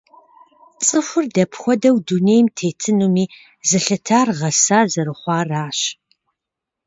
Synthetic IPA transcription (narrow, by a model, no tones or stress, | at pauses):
t͡sʼɨxʷʊrdɐpʰxʷɔdɐwduneːjmtʰeːtʰɨnumiː | zɨɬɐtʰaːrʁɐsaːzɐɾɨχʷɑːraːɕ